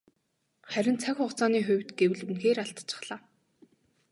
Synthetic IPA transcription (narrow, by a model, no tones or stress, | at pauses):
χæɾʲɪ̆nt͡sʰakʲχʊχt͡saːniːxʊwʲt̪ɡewɘ̆ɮunxeːɾaɬt̪t͡ɕə̥̆χɮ̥aː